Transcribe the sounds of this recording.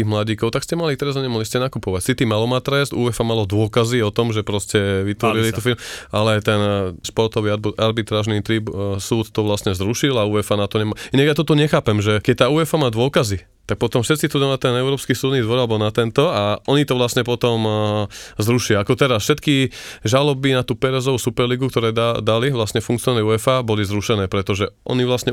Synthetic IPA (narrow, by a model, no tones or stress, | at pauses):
iːɣmlaɟiːkɔʊt̪akscɛmalit̪ɛɾazɔɲɛmaɦliscɛnakupɔʋacsit̪imalɔmat̪ɾɛst̪ʔuːɛfamalɔd̪ʊɔkaziɔt̪ɔmʒɛpɾɔscɛʋit̪ʋɔɾilit̪ɔfilmʔalɛt̪ɛnʃpɔɾt̪ɔʋiʔaɾbit̪ɾaːʒnit̪ɾipsuːt̪ːɔʋlasɲɛzɾuʃilauːɛfanat̪ɔɲɛmaːinaɡjat̪̬ɔt̪ɔɲɛxaːpɛmʒɛkɛc̚t̪aːuːɛfamaːd̪ʊɔkazi | t̪ak̚pɔt̪ɔmfʃɛt̪st͡sit̪ud̪anat̪ɛnɛʊɾɔːpskisuːd̪nid̪ʋɔɾalɛbɔnat̪ɛnt̪ɔaʔɔɲit̪ɔʋlasɲɛpɔt̪ɔm | zɾuʃiaakɔt̪ɛɾasfʃɛt̪kiʒalɔbinat̪uːpɛɾɛzɔʋusupɛɾliɡukt̪ɔɾɛːad̪aliʋlasɲɛfuŋkt͡siɔnanɛuːɛfaːbɔlizɾuʃɛnɛːpɾɛt̪ɔʒɛʔɔ̰niʋlasɲɛ